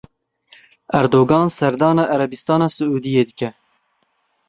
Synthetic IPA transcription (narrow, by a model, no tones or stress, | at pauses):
æɾd̪oːɡɑːnsɛɾd̪ɑːnɑːʔæɾɛbist̪ɑːnɑːsɨʔuːd̪ijeːd̪ɨkɛ